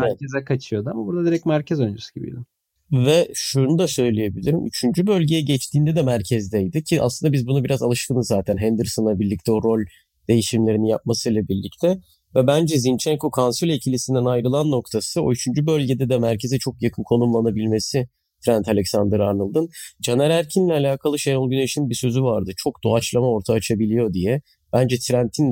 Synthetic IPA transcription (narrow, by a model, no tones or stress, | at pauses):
ɛɛcʲezɛkʰat͡ʃʰɯjo̞d̪uamabuɾd̪ad̪iɾɛcmæɾcʰɛzønd͡ʒusu̥ɟibḭjd̪ɪ | vɛʃunud̪asø̞jlʲeje̞bilʲiɾimʔy̰t͡ʃʰynd͡ʒybø̞lʲɟe̞jɛɟɛt͡ʃt̪ʰiːnd̪ɛd̪ɛmæɾcʰɛzd̪ɛjd̪ɯcʰiʔa̰slɯnd̪abizbunabiɾazalˠɯʃt̪ʰɯnɯzːaːt̪ʰænɦɛnd̪ɯɾsonlˠabiɾlʲic̚t̪ʰɛo̞ɾo̞lʲ | d̪̥e̞jiʃimlʲe̞ɾininjap̚masɯjlˠabiɾlʲict̪ʰɛ | vɛbænd͡ʒɛzint͡ʃʰɛŋko̞kʰansylʲecʰilʲisind̪ænajɾɯlˠanːo̞kt̪ʰasɯo̞̰yt͡ʃʰynd͡ʒybø̞lʲɟed̪ɛd̪ɛmæɾcʰe̞zɛt͡ʃʰo̞kjakʰɯnkʰo̞numlˠanabilʲme̞si | t̪ʰɾænt̪ʰalʲɛksand̪ɯɾaɾnɯlˠd̪ɯnd͡ʒanɛɾæɾcʰinlʲɛalʲaːkʰalˠɯʃejolˠɟyneʃinbisø̞zyvaɾd̪ɯt͡ʃʰo̞k̚d̪oat͡ʃlˠamao̞ɾt̪ʰaːt͡ʃʰabilʲijo̞d̪ijɛ | b̥ænd͡ʒɛt̪ʰɾænt̪ʰin